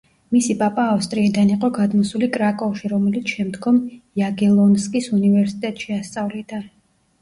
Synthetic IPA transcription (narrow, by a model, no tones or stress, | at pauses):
misipʼapʼaːfst̪ʼɾiːd̪aniqʼɔɡad̪mɔsulikʼɾakʼɔʃiɾɔmɛlit̪sʰʃɛmd̪ɡɔmjaɡɛlˠɔnskʼisunivɛɾsi̥t̪ʼɛt̪ʼʃiast̪sʼavlid̪a